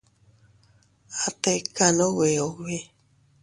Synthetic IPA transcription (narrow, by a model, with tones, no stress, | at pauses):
a˨t̪e˧ka˨no˦we˨o˨we˦